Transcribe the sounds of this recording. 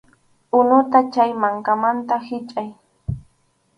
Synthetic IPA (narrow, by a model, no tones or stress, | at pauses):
ʊnʊt̪at͡ʃajmaŋkamant̪ahɪt͡ʃʼaj